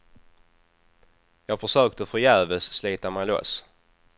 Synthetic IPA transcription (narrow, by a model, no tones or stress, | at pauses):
jɑːɡfœʂøːk̚t̪əfœjæːvəsslyːt̪amæɪlɔ̰s